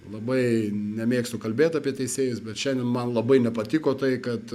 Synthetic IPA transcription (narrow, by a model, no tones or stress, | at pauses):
lˠɐbɐɪnʲɛmʲeːkst̪ʊkɐlʲbʲeːt̪ɑːpʲiɛt̪ʲɛɪsʲeːjʊsbʲɛt̪ʃʲɛnd̪ʲɛnmɐnlˠɐbɐɪnʲɛpɐt̪ʲikoːt̪ɐɪkɐt̪